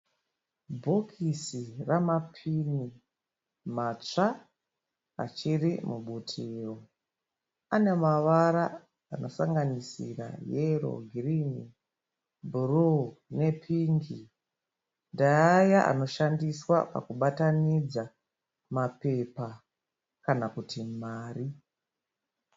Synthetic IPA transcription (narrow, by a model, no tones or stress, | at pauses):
bʱokʰisiramapʰini | mat͡ʂa | a̰t͡ʃirimuɓutʰiːro | ane̞maʋaɾa̰ː | no̞saŋɡanisḭra̰jero̞̰ɡʱirini | bʱurune̞pʰiːŋɡi | ndaajaʔa̰no̞ʃandiswa̰pa̰kuɓatanid͡za | mape̞pa | kanakutimaːri